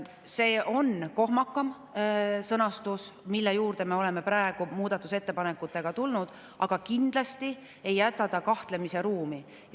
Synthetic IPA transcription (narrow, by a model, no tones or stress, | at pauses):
se̞ːʔo̞nko̞ɦmɑkːˑɑm | sɤnɑst̪usmilːe̞juːɾd̪̥e̞me̞o̞le̞me̞pɾæeɡ̥umuːd̪̥ɑt̪ːˑuse̞t̪ːe̞pɑne̞kːˑut̪ːˑe̞ɡ̥ɑt̪ulnud̪̥ | ʔɑɡ̥ɑkind̪̥lɑst̪i | e̞jːæt̪ːˑɑt̪ːɑkɑht̪le̞mise̞ɾuːmi